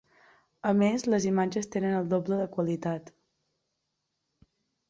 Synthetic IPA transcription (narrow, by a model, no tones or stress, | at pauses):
əmezləzimad͡ʒəst̪enənəlˠd̪obləðəkwəlit̪at̪